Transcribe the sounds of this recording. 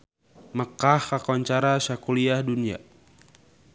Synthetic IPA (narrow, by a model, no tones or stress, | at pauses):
məkahakɔɲt͡ʃaɾasakuliahdunia̰